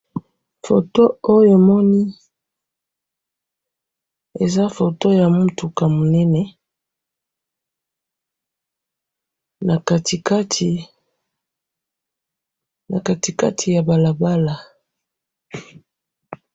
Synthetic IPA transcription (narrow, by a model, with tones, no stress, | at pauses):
fo˨to˦o˦jo˨mɔ˦ni˦ | e˨za˦fo˨to˦ja˨mu˦tu˨ka˨mo˨nɛ˦nɛ˨ | na˨ka˨ti˨ka˦tʰi˨ | na̰˨ka˨ti˨ka̰˦tʰi˨ja˨ba˨la˨ba˦la˨